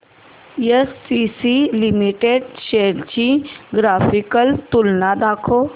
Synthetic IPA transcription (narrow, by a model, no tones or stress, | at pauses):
jesːisilimiʈeɖʃeɽt͡ɕĩɡɾafikəlt̪ulnad̪akʰo